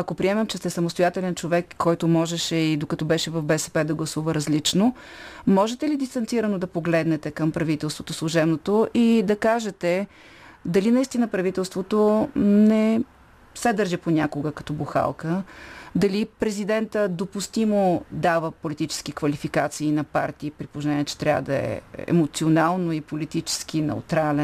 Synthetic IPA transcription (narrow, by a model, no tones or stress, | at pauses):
ɐkopɾiɛmɛmt͡ʃɛst̪ɛsɐmost̪ojat̪ɛlɛnt͡ʃovɛkːɔjt̪ʊmɔʒɛʃɛid̪okɐt̪ɔbɛʃɛvɐfbɛsɛ̥pɛd̪ɐɡlˠɐsuvəɾɐzlit͡ʃno | mɔʒɛt̪ɛlid̪ist̪ɐnt̪siɾənod̪ɐpoɡlɛd̪nɛt̪ɛkəmpɾɐvit̪ɛlˠst̪vot̪oslˠuʒɛbnot̪oʔid̪ɐkaʒɛt̪ɛ | d̪ɐlinɐist̪inəpɾɐvit̪ɛlˠst̪vot̪onɛ | sɛd̪əɾʒiponʲakoɡəkɐ̥t̪ɔbuxa̰lˠkəd̪ɐlipɾɛzid̪ɛnt̪əd̪opʊst̪imod̪avəpolit̪it͡ʃɛ̥skikvɐlifikat̪siːnɐpa̰ɾt̪iːpɾipoznɛniɛt͡ʃɛ̥t̪ɾʲa̰və̰d̪ɐɛ̰ɛ̰mot̪sionalˠnoipolit̪it͡ʃɛ̥sk̟inɛ̰ṵt̪ɾalɛ